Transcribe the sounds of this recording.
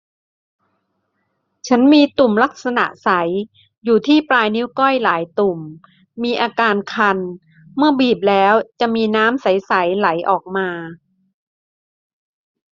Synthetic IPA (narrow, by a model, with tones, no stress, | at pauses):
t͡ɕʰa˦˥nmiː˧t̪u˨˩mla˦˥k̚sa˧na̰˨˩ʔsa˩˦j | juː˨˩t̪ʰiː˥˩pɾaː˧jni˦˥wkɔ˥˩jlaː˩˦jt̪u˨˩mː | iː˧ʔaː˧kaː˧nkʰa˧n | mɯ˥˩ɐbiː˨˩p̬̚lɛː˦˥wt͡ɕa˨˩ʔmiː˧naː˦˥msa˩˦jsa˩˦jla˩˦jʔɔː˨˩k̚maː˧